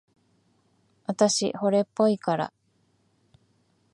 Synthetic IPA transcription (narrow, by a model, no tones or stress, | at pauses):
βat̪aɕḭho̞ɾe̞pːo̞ikaɾa̰